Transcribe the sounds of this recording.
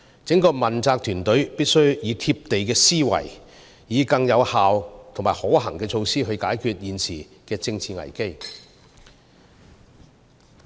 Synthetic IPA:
t͡sɪ˨˥ŋkɔː˧mɐ˨˩nt͡saː˧k̚t̪ʰyː˨˩nt̪ɵ˨˥ɥpi˥t̚sɵ˥ɥjiː˨˧t̪ʰiː˧p̚t̪e˨jkɛː˧siː˥wɐ̰˨˩j | jiː˨˧kɐ˧ŋjɐ˨˧whaː˨wt̪ʰo˨˩ŋmaː˨˩ho˨˥ɦɐ˨˩ŋkɛː˧t͡ʃʰo˧wsiː˥ɦɵ˧ɥkaː˨˥jkʰyː˧t̚jiː˨nsiː˨˩ | kɛː˧t͡sɪ˧ŋt͡sʰiː˧ŋɐ̰˨˩jke˥j

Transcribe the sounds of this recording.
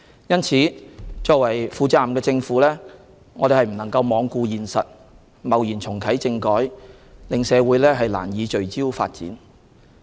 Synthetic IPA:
jɐ˥nt͡sʰiː˨˥t͡ʃɔː˧kwɐ˨˩jfuː˨˧t͡saː˨mkɛː˧t͡sɪ˧ŋfuː˨˧˥lɛː˥ | ŋɔː˨˧ɾe˨hjm̩˨˩nɐ˨˩ŋkɐ˧wmɔː˨˧ŋkuː˧jiː˨˩nsɐ̰˨t̚ | mɐ˨˩wjiː˨˩nt͡sʰʊ˨˩ŋkʰɐ˨˥jt͡sɪ˧ŋkɔː˨˥j | lɪ˨ŋsɛː˨˧wuː˨˥jlɛː˥ɦɐ˨jla̰ː˨˩njiː˨˧t͡ʃɵ˨ɥt͡siː˥wfa̰ː˧t̚t͡sḭː˨˥n

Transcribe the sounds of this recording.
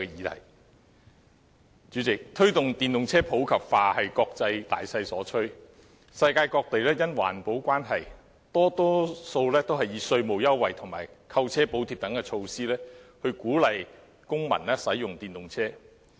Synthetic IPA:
jiː˨˧t̪ʰɐ̰˨˩j | t͡ʃyː˨˥t͡sɪ˨k̚t̪ʰɵ˥ɥt̪ʊ˨ŋt̪iː˨nt̪ʊ˨ŋt͡sʰɛː˥pʰo˨˥wkʰɐ˨˩p̚faː˧hɐ˨jkɔː˧k̚t͡sɐ˧jt̪a̰ː˨jsɐ˧jsɔː˨˥t͡ʃʰɵ˥ɥ | sɐ˧jkaː˧jkɔː˧k̚t̪e˨jlɛː˥jɐ˥nwa̰ː˨˩npo˨˥wkʷaː˥nɦɐ˨j | t̪ɔː˥t̪ɔː˥so˧wlɛː˥t̪o˥wɦɐ˨jiː˨˧sɵ˧ɥmo˨wjɐ˥wːɐ˨jt̪ʰʊ˨˩ŋmaː˨˩jkʰɐ˧wt͡sʰɛː˥po˨˥wt̪ʰiː˧˩t̪ɐ˨˥ŋkɛ˧t͡ʃʰo˧wsiː˥lɛː˥hɵ˧kuː˨˥lɐ˨j | kʊ˥ŋmɐ̰˨˩nlɛː˥sɐ˨˥jjʊ˨ŋt̪iː˨nt̪ʊ˨ŋt͡sʰɛː˥

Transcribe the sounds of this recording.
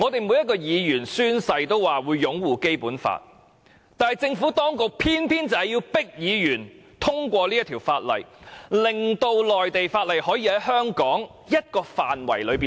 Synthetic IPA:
ŋɔː˨˧t̪e˨jmu˨˧jɐ˥t̚kɔː˧jiː˨˧jyː˨˩nsyː˥nsɐ˧jt̪o˥wwaː˨wuː˨˧jːʊ˨˥ŋwuː˨ke˥jpuː˨˥nfa̰ː˧t̚ | t̪aː˨nhɐ˨jt͡sɪ˧ŋfuː˨˥t̪ɔː˥ŋkʊ˨k̚pʰiː˥npʰiː˥nt͡sɐ˨˥jiː˧wpɪ˥k̚jiː˨˧jyː˨˩nt̪ʰʊ˥ŋkʷɔː˧li˥jɐ˥t̪ʰiː˨˩wfaː˧t̚lɐ̰˨jlɪ˨ŋt̪o˧wlɔː˨jt̪e˨jfaː˧t̚lɐ˨jhɔː˨˥jiː˧hɐ˨˥jɦœː˥ŋkɔː˨˥ŋ | jɐ˥t̚kɔː˧faː˨nwɐ̰˨˩jlɵ˨˧ɥpiː˨

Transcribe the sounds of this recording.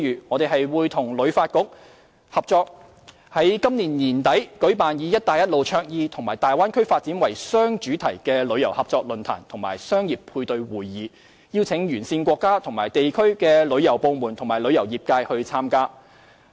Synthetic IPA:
jyː˨˩ŋɔː˨˧t̪e˨ɦɐ˨jwuː˨˧jt̪ʰʊ˨˩ŋlɵ˨˧ɥfaː˧t̚kʊ˥k̚ | hɐ˨p̚t͡sɔː˧k̚ | hɐ˨˥jkɐ˥mniː˨˩nniː˨˩nt̪ɐ˨˥jkɵ˨˥ɥpaː˨njiː˨˧jɐ˥t̚t̪aː˨jɐ˥t̚lo˨wt͡ʃʰœː˧k̚jiː˧t̪ʰʊ˨˩ŋmaː˨˩jt̪aː˨jwaː˥nkʰɵ˥ɥfaː˧t̚t͡si˨˥nwɐ˨˩jsœː˥ŋt͡ʃyː˨˥t̪ʰɐ˨˩jkɛː˧lɵ˨˧ɥjɐ˨˩whɐ˨p̚t͡sɔː˧k̚lɵ˨nt̪ʰa̰ː˨˩nt̪ʰʊ˨˩ŋmaː˨˩jsœː˥ŋjiː˨p̚pʰuː˧jt̪ɵ˨˧ɥwuː˨˩jːiː˨˧ | ji˧wt͡sʰɪ˨˥ŋjyː˨˩nsiː˧nkʷɔː˧˥kːaː˥t̪ʰʊ˨˩ŋmaː˨˩jt̪e˨jkʰɵ˥ɥkɛː˧lɵ˨˧ɥjɐ˨˩wpo˧wmuː˨˩nt̪ʰʊ˨˩ŋmaː˨˩jlɵ˨˧ɥjɐ˨˩wjiː˨p̚kaː˧jhɵ˧ɥt͡sʰaː˥mkaː˥

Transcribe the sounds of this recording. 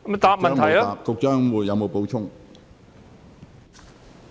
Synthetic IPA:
m˩t̪aː˨˧˥p̚mɐ˨˥t̪ʰjɐ˦aː˧˨˩p̚kʊ˨k̚t͡sœː˥ŋwuː˨˩tjɐ˨˧wmo˨˧wpo˨˥wt͡ʃʰʊ˥ŋ

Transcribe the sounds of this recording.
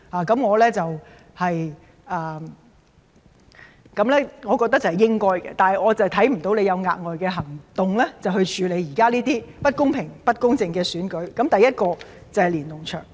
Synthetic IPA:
haː˨˩kɐ˨˥mŋɔː˨˧lɛː˥t͡sɐ˨w | hɐ˨j | ʔaː˨ | kɐ˨˥mlɛː˥ŋɔː˨˧kɔː˧k̚t̪ɐ˥k̚t͡sɐ˨˩hɐ˨˩jɪ˥ŋkɔː˥jkɛ̰˧t̪aː˨nɦɐ˨jŋɔː˨˧t͡sɐ˨wt̪ʰɐ˨˥jm̩˨˩t̪o˨˥wnle˨˧jɐ˨˧wŋa̰ː˧t̚ŋɔː˨jkɛː˧ɦɐ˨˩ŋt̪ʊ˨ŋlɛː˥t͡sɐ˨whɵ˧ɥt͡ʃʰyː˨˧le˨˧jiː˨˩kaː˥liː˥t̪iː˥pɐ˥t̚kʊ˥ŋpʰɪ˨˩ŋpɐ˥t̚kʊ˥ŋt͡sɪ˧ŋkɛː˧syː˨˥nkɵ˨˥ɥkɐ˨˥mt̪ɐ˨jɐ˥t̚kɔː˧ | t͡sɐ˨whɐ˨jliː˨˩nt̪ʊ˨˩ŋt͡ʃʰœː˨˩ŋ

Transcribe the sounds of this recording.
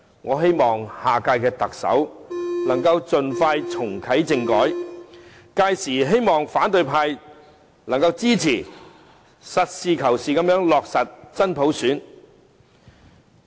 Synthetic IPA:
ŋɔː˨˧ɦe˥jmɔː˨ŋhaː˨˩kaː˧jkɛː˧t̪ɐ˨k̚sɐ̰˨˥wnɐ˨˩ŋkɐ˧wt͡sɵ˨nfaː˧jt͡sʰʊ˨˩ŋkʰɐ˨˥jt͡sɪ˧ŋkɔː˨˥j | kaː˧jsiː˨˩ɦe˥jmɔː˨ŋfaː˨˥nt̪ɵ˨˧ɥpʰaː˧j | lɐ˨˩ŋkɐ˧wt͡siː˥t͡sʰiː˨˩ | sɐ˨t̚siː˨kʰɐ˨˩wsiː˨kɐ˨˥mjœː˨˥ŋlɔː˨k̚sɐ˨t̚t͡sɐ˥npʰo˨˥wsyː˨˥n

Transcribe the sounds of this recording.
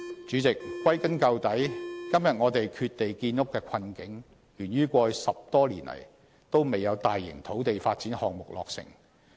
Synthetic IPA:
t͡ʃyː˨˥t͡sɪ˨k̚ːwɐ˥jkɐ˥nkɐ˧wt̪ɐ˨˥jkɐ˥mjɐ˨t̚ŋɔː˨˧t̪e˨jkʰyː˧t̚t̪e˨jkiː˧njʊ˥kːɛː˧kʷʰɐ˧nkɪ˨˥ŋ | jyː˨˩nɥyː˥kʷɔː˧jsɐ˨p̚t̪ɔː˥lḭː˨˩nlɐ̰˨˩j | t̪o˥wme˨jːɐ˨˧wt̪aː˨jːɪ̰˨˩ŋt̪ʰo˨˥wt̪e˨jfaː˧t̚t͡siː˨˥nhɔː˨ŋ̚mʊ˨k̚lɔː˨k̚sɪ̰˨˩ŋ

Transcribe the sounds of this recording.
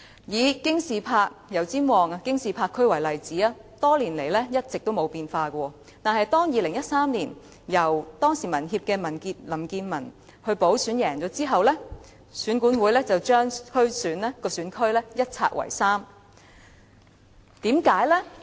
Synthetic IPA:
jiː˨˧kɪ˥ŋsiː˨˩pʰaː˧k̚jɐ˨˩wt͡siː˥mwɔː˨ŋa˧kɪ˥ŋsiː˨˩pʰaː˧kʰːɵ˥ɥwɐ˨˩jlɐ˨jt͡siː˨˥a˧t̪ɔː˥liː˨˩nle˨˩jlɛ˥jɐ˥t̚t͡sɪ˨k̚t̪o˥wmo˨˧wpiː˧nfaː˧kʷɔː˧ | t̪aː˨nhɐ˨jt̪ɔː˥ŋjiː˨˧lɪ˨˩ŋjɐ˥t̚saː˥mliː˨˩n | jɐ˨˩wt̪ɔː˥ŋsiː˨˩mɐ˨˩nɦiː˧p̚kɛː˧mɐ˨˩nkiː˧t̚lɐ˨˩mkiː˧nmɐ˨˩n | hɵ˧ɥpo˨˥wsyː˨˥njɛː˨˩ŋt͡ʃɔː˨˧˥t͡siː˥ɦɐ˨wlɛː˥ | syː˨˥nkuː˨˥nwuː˨˥jlɛː˥t͡sɐ˨wt͡ʃœː˥ŋkʰɵ˥ɥsyː˨˥nlɛ˥kɔː˧syː˨˥nkʰɵ˥ɥlɛ˥jɐ˥t̚t͡sʰa̰ː˧t̚wɐ̰˨˩jsaː˥m | t̪iː˨˥mkaː˨˥jlɛ˥

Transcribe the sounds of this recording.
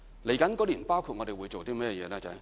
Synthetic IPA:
le˨˩jkɐ˨˥nkɔː˨˥liː˨˩npaː˥wkʰu˧t̚ŋɔː˨˧ɾe˨jwu˨˧jt͡so˨wt̪iː˥mɛː˥jɛ˧jɛː˨˧lɛː˦˥t͡sɐ̰˨

